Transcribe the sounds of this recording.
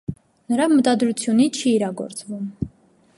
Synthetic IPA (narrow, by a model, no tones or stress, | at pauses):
nəɾɑmət̪ɑd̪ɾut͡sʰjunit͡ʃʰiːɾɑɡɔ̰ɾt͡svum